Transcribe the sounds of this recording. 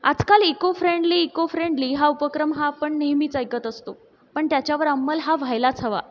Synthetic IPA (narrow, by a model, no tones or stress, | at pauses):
a̰d͡zkalikofɾeɳɖliːkofɾeɳɖliːɦaupəkɾəmɦaːpəɳneɦmiːt͡sajkət̪əst̪o | pəɳt̪jat͡ɕjaʋəɾamːəlɦaʋʱajlat͡sʰəʋa̰